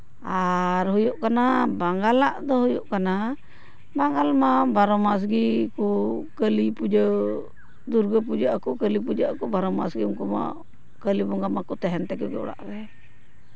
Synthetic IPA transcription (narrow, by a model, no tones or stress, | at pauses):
aɾhujuʔkanabaŋɡalaʔd̪ɔɦɔjuʔkana | baŋɡalmabaɾɔmas̬ɡikukəlipud͡ʒə | d̪uɾɡəp̬ud͡ʒaʔakukəlip̬ud͡ʒaʔkubaɾɔma̰sɡiuŋkuma̰ | kəlibɔŋɡamakut̪ɛɦɛnt̪ɛkuɡɛɔ̰ɽa̰ʔbɛ